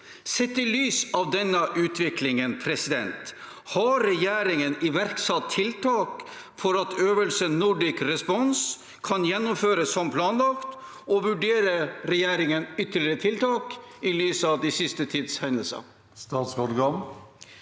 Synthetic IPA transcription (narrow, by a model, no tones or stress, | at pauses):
sɛt̪ːɪlyːsɑʋd̪ɛnːəʔʉːt̪ʰʋɪklɪŋənpʰɾɛsɪd̪ɛnt̪ | hɑɾɛjæːɾɪŋənɪʋæɾksɑt̪ʰːɪlt̪ʰɑːk | fɔɾɑt̪ʰøːʋəlsənnʊɖɪkɾɛspɔns | kʰɑnjɛnːʊmføːɾəsːɔmpʰlɑːnlɑkt̪ | ɔʋʉɖeːɾəɾɛjæːɾɪŋənʏt̪ːəɭɪɾət̪ʰɪlt̪ɑːkɪlyːsɑʋd̪ɪsɪst̪ət̪ʰiːd̪shɛnəlsə̰ | st̪ɑːt̪sɔɾɡɑm